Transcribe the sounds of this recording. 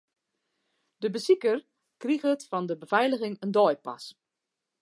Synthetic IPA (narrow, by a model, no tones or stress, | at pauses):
dəbəsikər | kriɣətfɔndəbəvɛjləɣɪŋəndɔjpa̰s